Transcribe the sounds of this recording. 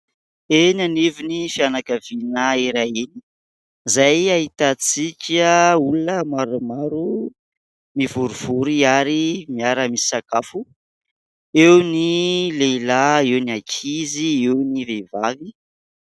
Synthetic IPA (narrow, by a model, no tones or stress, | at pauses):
enanivinifianakavinaiɾaini̥ | zajaɦit̪at͡sikʲəulunəmaɾumaɾu | mivuɾuv̥uɾiaɾimiaɾəmisi̥sakafu | ewnileilaewniakʰiziewnivevavi